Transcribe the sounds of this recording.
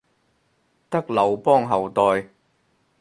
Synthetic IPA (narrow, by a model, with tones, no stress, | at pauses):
t̪ɐ˥k̚lɐ˨wpɔː˥ŋɦɐ˨wt̪ɔː˨j